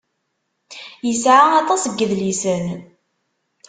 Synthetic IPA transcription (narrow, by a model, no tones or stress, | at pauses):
jəsʕaɑt̪ˤɑsəɡːəðlisən